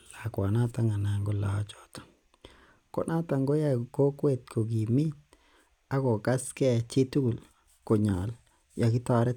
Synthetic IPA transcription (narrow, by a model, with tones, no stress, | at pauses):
la˨kwa˨na˦ta˨ŋa˨na˨ŋɡo˦la̰˨˦t͡ʃɔ̥˨tɔ̥˨ | ko̰˨nʔa˦ta˨ŋɡo˦ja˨ko˦kwe˨tkʰo˨ɡi˨mi˦t̚ | a˦ko˨ka˦skɛ˦t͡ʃi˦tu˦ɡu˨l | ko˨ɲa˨l | ja˨ki˦ta˦ɾɛ˦